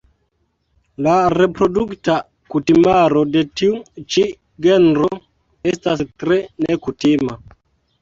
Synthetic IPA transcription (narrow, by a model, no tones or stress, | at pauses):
laɾepɾo̞dukta | kutimaɾodetiut͡ʃi | ɡenɾo | estastɾenekutima